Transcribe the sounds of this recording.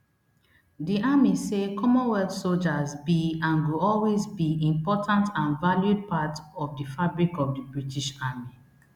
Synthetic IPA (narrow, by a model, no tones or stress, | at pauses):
diamisekʰɔmɔ̃nwɛltsold͡ʒazbiãnɡuɔlwezbiĩmpɔtʰãntʰãnvaljud̚patɔvdifabɹikɔvdəbɹitiʃami